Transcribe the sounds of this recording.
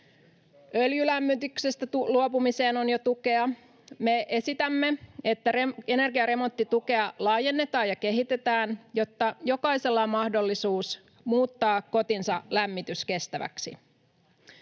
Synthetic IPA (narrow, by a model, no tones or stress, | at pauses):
øljylæmːyt̪ykse̞st̪æt̪uluo̞pumise̞ːno̞njo̞t̪uke̞ɑ | me̞ʔe̞sit̪æmːe̞e̞t̪ːæee̞ne̞rɡiɑɾe̞mo̞nt̪ːit̪uke̞ɑlɑːje̞nːe̞t̪ɑːjɑke̞ɦit̪e̞t̪æːnjo̞t̪ːɑjo̞kɑise̞lːɑmɑhdo̞lːisuːs | muːt̪ːɑːkko̞t̪insɑlæmːit̪yske̞st̪æʋæ̰ksḭ